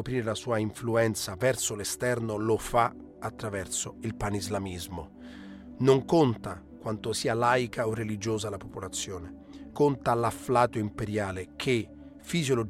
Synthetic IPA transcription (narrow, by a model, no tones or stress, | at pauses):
opɾiːɾelasuːaiɱfluɛnt̪savɛrsolest̪ɛrnolofa | at̪ːɾavɛrsoilpanizlamizmo | noŋkont̪a | kwant̪osiːalajkʰaorːelid͡ʒoːzalapopolat̪sːjoːne | kont̪alaflaːt̪oimpeɾjaːlekʰe | fizjolo